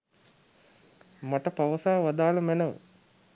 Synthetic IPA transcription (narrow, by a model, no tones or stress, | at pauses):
mɐʈɐpɐʋɐsaːʋɐd̪aːlɐmenɐʋ